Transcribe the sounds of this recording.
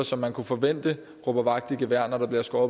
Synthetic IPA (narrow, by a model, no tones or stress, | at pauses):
ɐsɒ̽mːænkʰufɒ̽ʋen̰d̥ə | ʁɔb̥ɐʋɑ̈ɡ̥̚d̥iɡ̥əʋæɐ̰nɐd̥ɑ̈bliɐsɡ̥ɒːb